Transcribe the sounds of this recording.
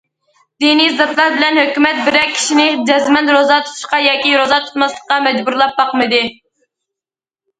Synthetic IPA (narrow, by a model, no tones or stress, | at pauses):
d̪enizɑt̪lˠɑɾbɪlɛnhøkʲymɛt̪̚bɪɾɛkʲʰːi̥ʃinɪd͡ʒɛzmɛnt̪ɾozɑt̪ʰu̥t̪ʰu̥ʃqɑjɑːkʲiɾozɑt̪ʰu̥t̪mɑslˠəqːɑmɛd͡ʒbuɾlˠɑp̚bɑqmɨd̪ɨ